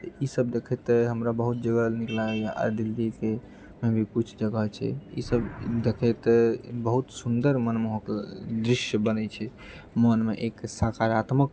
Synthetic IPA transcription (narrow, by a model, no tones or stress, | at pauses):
isəbd̪ekʰɛt̪ɦəmɾabəɦut̪̚d͡ʒəɡəlniklaʔa̰ɾd̪ilːike | mebʱikut͡ʃʰd͡ʒəɡət͡ʃʰɛ̰ḭsəbd̪ekʰɛt̪bəɦut̪sund̪əɾmənmeɦõkd̪ɾiʃjəbənɛt͡ʃʰɛ | mənmeʔeksakaɾat̪mək